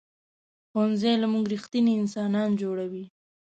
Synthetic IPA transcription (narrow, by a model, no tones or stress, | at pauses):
xanzelamuŋɡɾixt̪iniɪnsɑnɑnd͡ʒoɽawi